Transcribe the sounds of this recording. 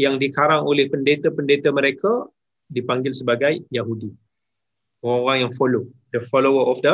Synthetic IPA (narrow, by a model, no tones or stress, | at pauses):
jaŋdikaɾaŋolɪhpəndet̪apəndet̪aməɾekʰa | dipaŋɡɪlsəbaɡajjaɦudi | oɾaŋoɾaŋjaŋfɔlodəfɔlowəɔfdə